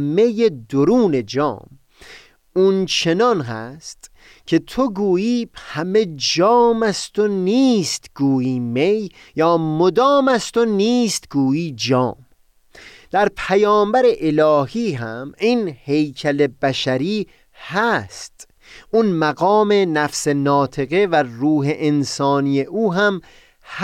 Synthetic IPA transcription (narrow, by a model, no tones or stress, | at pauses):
mejed̪oɾuːne̞d͡ʒɒ̰ːm | unt͡ʃʰe̞nɒnɦæ̰st̪ | kʲʰe̞t̪ʰoɡuːjiːhæme̞d͡ʒɒːmæst̪oniːst̪ɡ̥uːjiːmej | jɒːmod̪ɒːmæst̪oniːst̪ɡuːjiːd͡ʒɒːm | d̪̥æɾpʰæjɒːmbæɾe̞ʔelɒːhiːɦæmiːnhe̞jcʰæle̞bæʃæɾiː | hæst̪ | ʔunmæɡɒːme̞næfse̞nɒːt̪ʰe̞ɣevæɾuːɦeʔensɒːnijeʔuːɦæm | h